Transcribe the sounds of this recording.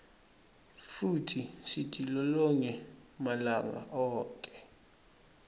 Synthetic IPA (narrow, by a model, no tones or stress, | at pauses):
futʰisitʼilɔlɔɲɛmalaŋa̰ʔɔːŋkʼɛ̥